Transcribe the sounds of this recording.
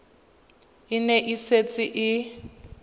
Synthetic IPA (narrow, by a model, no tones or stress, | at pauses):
inɛʔiset͡sʼiʔi